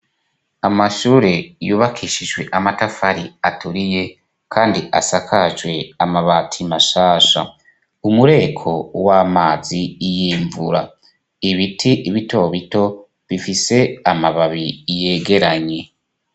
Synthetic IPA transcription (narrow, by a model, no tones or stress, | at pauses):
amaʃuːɾe̞juːβakʰiːʃiʒwe̞̰ʔamatafaɾiatuɾije̞ | kʰaːndiʔa̰sakʰaʒwe̞amaβatʰimaʃaːʃa̰ | umuɾe̞ːkʰo̞waːmaːzijiːɱvuɾa | iβitʰiʔiβito̞βito̞ | βifise̞amaβaβije̞ːɡe̞ɾaɲe̞